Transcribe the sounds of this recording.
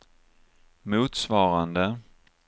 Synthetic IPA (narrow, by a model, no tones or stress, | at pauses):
muːt̪svɑːɾand̪ə